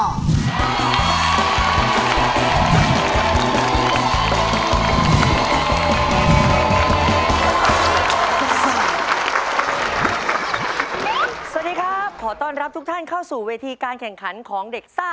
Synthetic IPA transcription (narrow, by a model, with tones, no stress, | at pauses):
sa˧˩˨t̚diː˧kʰɾaː˥˩p̚kʰɔː˩˦t̪ɔː˥˩nɾa˦˥p̚t̪ʰu˦˥k̚t̪ʰa˥˩nkʰa˥˩wsuː˨˩weː˧t̪ʰiː˧kaː˧nkʰɛ˨˩ŋkʰa˩˦nkʰɔː˩˦ŋde˨˩k̚saː˥˩